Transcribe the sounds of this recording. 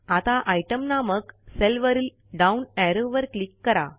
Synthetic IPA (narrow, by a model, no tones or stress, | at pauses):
at̪aʔajʈəmnaməkselʋəɾil | ɖaunɛɾoʋəɾklikːəɾa